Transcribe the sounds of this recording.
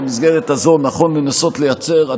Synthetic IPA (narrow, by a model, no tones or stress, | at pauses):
mizɡe̞ʁet̪azo̞naχo̞nlenaso̞t̪le̞jat͡se̞ʁa